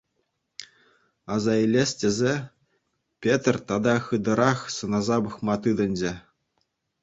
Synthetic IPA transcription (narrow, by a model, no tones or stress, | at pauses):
ɑzɑilʲesʲtʲĕzʲe | pʲet̪rʲt̪ɑd̪ɑχɯd̪ɤ̆ɾɑχsɤ̆nɑzɑbɤχmɑt̪ɯd̪ɤ̆nʲd͡ʑĕ